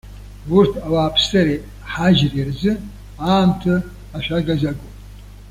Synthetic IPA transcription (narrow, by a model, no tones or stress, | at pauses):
ʊrtʰawaːpʰsaɾe | ħaʒrirzɨ | aːmtʰɨ | aʃʷᶣaɡazaɡopʼ